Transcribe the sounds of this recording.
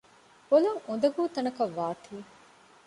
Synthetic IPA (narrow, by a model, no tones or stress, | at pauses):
bolɐŋund̪ɐɡuːt̪ɐnɐkɐʋːaːt̪ʰiː